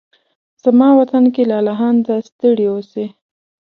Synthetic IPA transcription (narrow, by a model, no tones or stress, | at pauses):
z̥amɑwat̪ankelɑlaɦɑnd̪ast̪əɽiwose